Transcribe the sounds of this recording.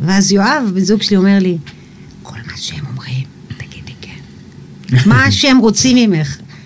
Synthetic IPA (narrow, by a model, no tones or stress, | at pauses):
veazjo̞avbezuɡʃelio̞me̞ʁli | kʰo̞̰lmaʃehemomʁim | t̪ḁɡ̥id̥̪likʰen | maʃeemʁot͡simimeχ